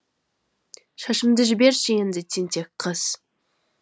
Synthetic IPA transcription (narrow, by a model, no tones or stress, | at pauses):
ʃɑʃəmd̪əʒɪbe̞ɾʃɪjend̪ɪt̪ʲʰent̪ʰekqʰːəz̥